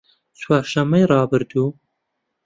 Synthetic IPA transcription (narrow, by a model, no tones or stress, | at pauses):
t͡sʰwɑːɾʃɐmːɐjrɑːbɨɾd̪uː